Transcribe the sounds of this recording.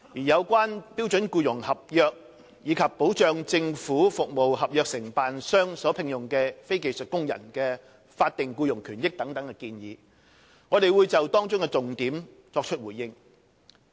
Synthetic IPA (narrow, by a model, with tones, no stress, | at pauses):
jiː˨˩jɐ˨˧wkʷaː˥npi˥wt͡ʃɵ˨˥nkuː˧jʊ˨˩ŋhɐ˨p̚jœː˧k̚ | jiː˨˧kʰɐ˨pːo˨˥wt͡ʃœː˧ŋt͡sɪ˧ŋfuː˨˥fʊ˨k̚mo˨wɦɐ˨p̚jœː˧k̚sɪ˨˩ŋpaː˨nsœː˥ŋsɔː˨˥pʰɪ˧ŋjʊ˨˩ŋkɛː˧fe˥jke˨˧jsɵ˨t̚kʊ˥ŋjɐ̰˨˩nkɛː˧ | faː˧t̚t̪ɪ˨ŋkuː˧jʊ˨˩ŋkʰyː˨˩njɪ˥k̚t̪ɐ˨˥ŋt̪ɐ˨˥ŋkɛː˧kiː˧njiː˨˧ | ŋɔː˨˧t̪e˨jwuː˨˧jt͡sɐ˨wt̪ɔː˥ŋt͡ʃʊ˥ŋkɛ˧t͡sʊ˨ŋt̪iː˨˥m | t͡sɔː˧k̚t͡ʃʰɵ˥t̚wuː˨˩jjɪ˧ŋ